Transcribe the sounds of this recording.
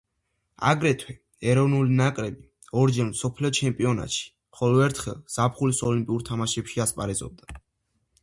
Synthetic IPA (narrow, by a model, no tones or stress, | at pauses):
a̰ɡɾɛt̪ʰwɛ | ɛɾɔvnulinakʼɾɛbi | ɔɾd͡ʒɛɾmsɔpʰliɔt͡ʃʰɛmpʼiɔna̰t̪ʃi̥ | mχɔlɔɛɾt̪ʰχɛlˠz̥apʰχulisɔlimpʼiuɾt̪ʰamaʃɛpʃiaspʼaɾɛzɔ̰b̚d̪a